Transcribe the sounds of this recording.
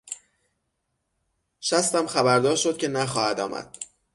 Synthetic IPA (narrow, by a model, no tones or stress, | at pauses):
ʃæst̪æmxæbæɾd̪ɒːɾʃo̞d̪̚cʰʲe̞næxɒːhæd̪ɒ̰ːmʔæ̰d̪̥̚